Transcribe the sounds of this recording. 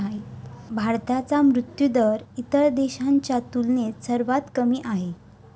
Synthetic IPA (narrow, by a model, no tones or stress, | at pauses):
aj | bʱaɾt̪at͡samɾut̪jud̪əɾit̪əɭd̪eɕaɲt͡ɕjat̪ulnesəɾʋat̪kəmiːʔaɦe